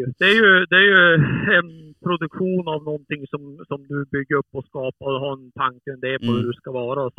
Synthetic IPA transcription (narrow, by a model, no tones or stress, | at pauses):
d̪̥ɛæɾjɵd̪ɛæɾjɵɛnpʰɾʊd̪ɵkɧuːnavnɔnt̪ʰɪŋsɔmsɔmd̪ʉbʏɡːəɾɵpːɔskɑːpad̪ɦaɛnt̪ʰaŋkəmd̪eːpʰɔhʉd̪ʉskavɑːɾa